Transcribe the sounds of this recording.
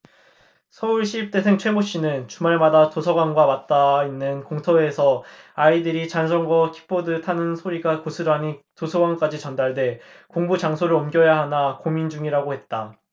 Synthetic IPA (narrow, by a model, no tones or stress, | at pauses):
sʰʌuɭɕʰip̚t͈e̞sʰe̞ŋt͡ɕʰwe̞moɕ͈inɯnt͡ɕumaɭmadatosʰʌɡwanɡwamat̚t͈ainːɯnkoŋtʰʌe̞sʰʌaidɯɾit͡ɕans̬ʰʌŋɡwakʰi̥k̚p͈odɯtʰanɯnsʰoɾiɡakosʰɯɾani | tosʰʌɡwank͈ad͡ʑit͡ɕʌndaɭde̞koŋbut͡ɕaŋsʰoɾɯɾʌmɡjʌjaɦanakomind͡ʑuŋiɾaɡohe̞t̚t͈a